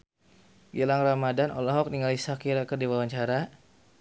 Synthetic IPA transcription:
ɡilaŋramadanʔɔ̰lɔɦɔk̚niŋalisakiɾakərdiwawaɲt͡ʃaɾa

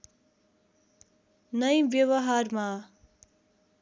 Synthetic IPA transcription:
nʌjbjʌwʌɦarma

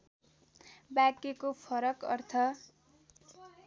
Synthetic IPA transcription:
bakekopʰʌɾʌkʌrt̪ʰʌ

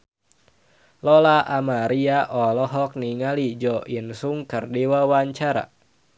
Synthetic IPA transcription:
lɔlaʔamaɾiaʔɔlɔɦɔk̚niŋalid͡ʒɔʔinsuŋkərdiwawaɲt͡ʃaɾa̰

